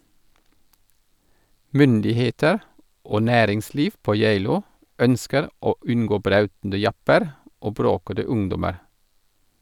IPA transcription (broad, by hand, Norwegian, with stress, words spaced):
ˈmʏndɪˌheːtəɾ ˈoː ˈnæːɾɪŋˌsliːf ˈpoː ˈjeɪluː ˈœnskəɾ ˈoː ˈʉnɡoː ˈbɾɑʉtn̩də ˈjɑpəɾ ˈoː ˈbɾoːkədə ˈʊŋdɔməɾ